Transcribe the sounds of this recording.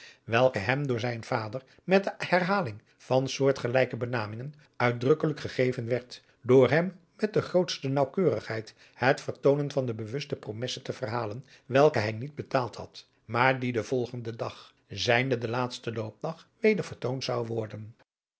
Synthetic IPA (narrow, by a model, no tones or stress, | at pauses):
ʋɛlˠkəɦɛmdʊːɹzɛjnv̥aːdəɹ | mɛt̚dəhɛrɦaːlɪŋ | v̥ɑnsʊːɹtχəlɛjkəbənaːmɪŋən | œɥ̚drɵkələkχəχejvənʋɛɹt | dʊːɹɦɛmː | ɛt̚dəχrowtstənɑwkøːrəχɦɛjt | hətfəɹtownənvɑndəbəʋɵstəpromɛsətəvərɦaːlən | ʋɛlˠkəɦɛjnid̚bətaːlˠthɑ̰t | maːɹdidəv̥ɔlˠχəndədɑχ | zɛjndədəlaːtstəlowp̚dɑχʋejdəɹvəɹtowntsɑwʋɔɹdən